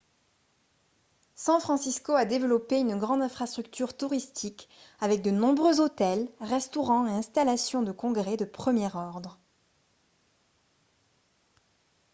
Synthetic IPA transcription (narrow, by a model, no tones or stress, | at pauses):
sɑ̃fχɑ̃siskoad̪evəlɔpeynɡʁɑ̃d̪ɛ̃fχast̪χyk̚t̪yʁt̪uʁist̪ʰikavɛk̚d̪ənɔ̃bʁøzot̪ɛlʁɛst̪ɔʁɑ̃eɛ̃st̪alasjɔ̃d̪əkɔ̃ɡʁɛd̪əpχəmjɛʁɔʁd̪ʁə